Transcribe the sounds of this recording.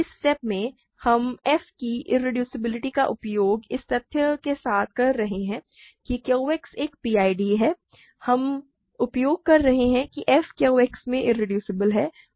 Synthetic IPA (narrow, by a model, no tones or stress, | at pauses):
ɪsʈɛːp̚mẽ | hɐmɛːfkiʔɪ̰ɾɪɖjuːsɪbɪlɪʈikaʔʊpjoːɡɪst̪ɐt̪ʰjəkesaːt̪̚ʰkɐɾːɐɦeɦɛ̃ | kikjeeːkseːk̚piːaːiɖiɦɛː | hɐm | ʊpjoːɡ̚kɐɾːɐɦeɦɛ̃kiʔɛːfkjeeksmẽʔɪɾːɪɖjuːsɪbəlɦɛː